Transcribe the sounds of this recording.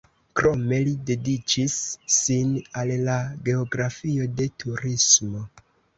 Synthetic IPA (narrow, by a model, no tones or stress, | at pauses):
kɾo̞me̞lide̞dit͡ʃisːinalːaɡe̞oɡɾafio̞de̞tʰuɾismo̞